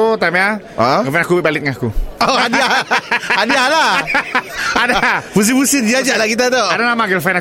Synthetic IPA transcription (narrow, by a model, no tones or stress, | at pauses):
ut̪amɛa | əfanakubɛbalɪt̪̚ŋakuɔadiaadiahla | adabus̬ibusɪt̪d͡ʒad͡ʒaʔlakit̪̬at̪oadanamaɡəlfana